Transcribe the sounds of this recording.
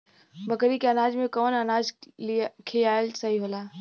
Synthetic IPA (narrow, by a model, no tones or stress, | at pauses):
bəkɾikeənaːd͡ʒmẽkɔːnənaːd͡ʒ | kʰijaːelsəɦiɦoːlaː